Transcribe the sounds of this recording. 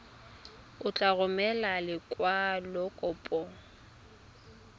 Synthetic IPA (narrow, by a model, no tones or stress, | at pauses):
ʊt͡ɬʼaɣʊmɛlalɪkʼwalɔkʼɔpʼɔ